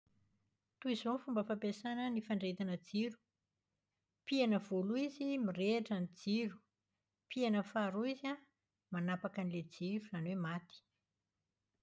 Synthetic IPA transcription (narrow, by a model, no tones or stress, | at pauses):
t̪uizonfumbəfampesanənifaɳɖ͡ʐet̪anəd͡ziɾu̥ | pianəvoluizimireʈ͡ʂanid͡ziɾu̥ | pienəfaɾuiza | manapakaniled͡ziɾuzanwemat̪i̥